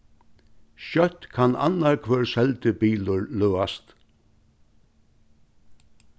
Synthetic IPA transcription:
ʃœht̪kʰana̰nːaɹkʰʋøːɹsɛlt̪ɪbiːlʊɹløːast̪

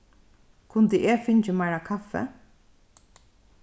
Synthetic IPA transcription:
kʰʊnt̪əʔɛːfɪnt͡ʃɪmajɾakʰafɛ̰

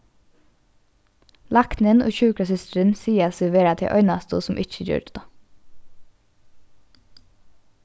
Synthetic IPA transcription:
lɑknənʔo̰ːçʉːkɾɑsʏst̪ɾənsiːɑsʉʋeːɾɑt̪ʰɪ̰ːʔœ̰ʏnɑst̪ṵːsʊmʔɪc͡çəd͡ʒø̰ːʈ̪ɑ

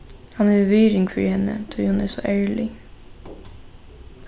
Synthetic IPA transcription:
hɑnɑʋœːɾɪŋfɾḭhɛnə̰t̪ʰʉhɑnæːsɔʔæːlɪ

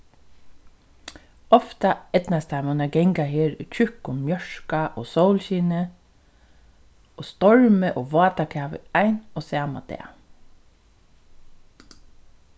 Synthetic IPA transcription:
ɔft̪ɑɛd̪̥nɑst̪ʰɑmɑnɑɡɛŋɡaheːɹʉ̰ːc͡çʏkʊmmjœʃkaʔoːsoʊlçiːnə | ʔoːst̪ɔɹməʔoːʋɑːt̪ɑkʰæːʋə̰æɪnoːsæːmɑ̰d̪̥ḛː

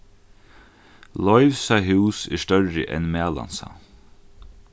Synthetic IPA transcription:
lɔʏfsaɦʉwsɛ̰st̪œɹːɪ̰ʔɛ̰nmæːla̰nsa̰

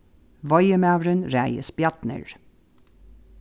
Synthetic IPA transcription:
ʋɔjəmæɾənɾæɪə̰sbjɑt̪nə̰ɹ

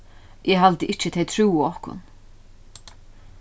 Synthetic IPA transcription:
ʔɛɦalt̪əʔɪht͡ɕt͡ʃɪt̪ʰejt̪ʰɾuːɪɔhkʊ̰n

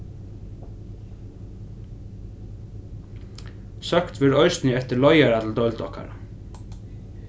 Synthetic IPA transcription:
sɑkt̪ʋɪɾœʏst̪nɪɛt̪əlɔʏaɾat̪l̩d̪ɔʏld̪ɔka̰ɾ

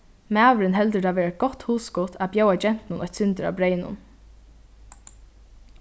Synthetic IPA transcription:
mæːʋɾɪnɦɛlt̪əɾt̪ʰaːʋɛːɾat̪̚ɡ̥ɔt̪huːskɔt̪ʰabjoːwad͡ʒɛn̥t̪nʊnʔɔçt̪sʏnt̪əɾa̰ːbɾeːjnʊ̰n

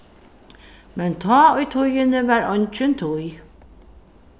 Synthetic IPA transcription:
mɛnt̪ʰɔːʊjt̪ʰʊjənəvæːɾɔnt͡ʃɪnt̪ʰʊj

